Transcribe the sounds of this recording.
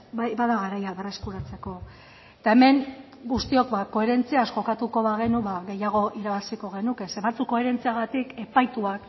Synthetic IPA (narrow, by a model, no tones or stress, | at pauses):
bajbaðaɣaɾajaβereskuɾat͡se̞ko̞ | t̪ae̞me̞ŋ | ɡust̪io̞kbako̞e̞ɾe̞nt͡siasko̞kat̪uko̞βaɣ̞e̞nuβaɣe̞jaɣ̞o̞ʔiɾaβasiko̞ɣ̞e̞nuke̞seβat͡suko̞e̞ɾe̞nt͡siaɣat̪ike̞pajt̪uak